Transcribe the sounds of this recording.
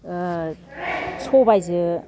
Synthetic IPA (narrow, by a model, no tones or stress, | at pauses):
sʰobajzɯ